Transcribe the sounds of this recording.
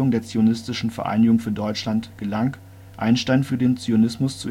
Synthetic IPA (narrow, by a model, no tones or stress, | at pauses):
ʊŋdeːɐt͡sionɪstɪʃn̩fɛɐʔa̰ɪnɪɡʊŋfyːɐdɔʏt͡ʃlantɡ̥əlaŋ | ʔa̰ɪnʃtaɪnfyːɐdeːnt͡sionɪsmʊst͡su